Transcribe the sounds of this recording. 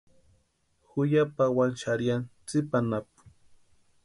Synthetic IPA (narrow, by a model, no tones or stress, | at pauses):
xʊjapawant͡ʃaɾjant͡sɪpanap̚ʊ̥